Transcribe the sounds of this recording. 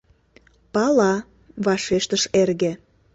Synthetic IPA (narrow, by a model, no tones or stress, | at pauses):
pɑlɑ | βɑʃeʃt̪əʃerɣĕ